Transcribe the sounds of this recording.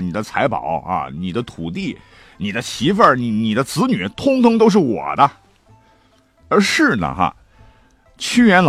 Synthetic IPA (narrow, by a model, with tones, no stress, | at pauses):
ni˨˩d̪ə˦t͡sʰa˧˥ɪpɑ̰˨˩˦ʊa̰˧ni˨˩d̪ə˦t̪ʰu˨˩t̪i˥˩ | ni˨˩d̪ə˦t͡ɕʰi˧˥fə˞˥˧˩ni˧˩ni˨˩d̪ə˦t͡sʰɹ̩˧˥ny˨˩˦t̪ʰʊ˥ŋt̪ʰʊ˥ŋt̪o˥ʊʂ̬̩˥˩wɔ̰˨˩d̪ə˦ | ə˞˧˥ʂɻ̩˥˩nə̰˩xɐ̰˧˩ | t͡ɕʰy˥jɥɛ˧˥nl